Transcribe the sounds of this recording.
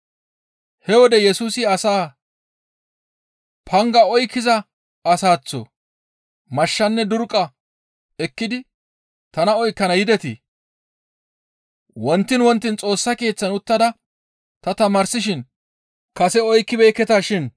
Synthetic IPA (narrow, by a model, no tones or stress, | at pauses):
hɛwɔd̪ɛjɛsuːsɪɐsaː | pʰɐŋɡɐɔjkːɪzɐ | ɐsaːt͡sːɔ̰ | mɐʃːɐnːɛd̪ʊɾkʼːɐ | ɛkːɪd̪ɪ | t̪ɐnɐɔjkːɐnɐjɪd̪ɛt̪ɪ̰ | wɔnt̪ːɪnwɔnt̪ːɪnt͡sʼo̞ːsːɐke̞ːt͡sːɐnʊt̪ːɐd̪ɐ | t̪ɐt̪ɐmɐːɾsɪʃ̬ɪn | kɐsɛɔjkːɪbɛjkːɛt̪aʃɪn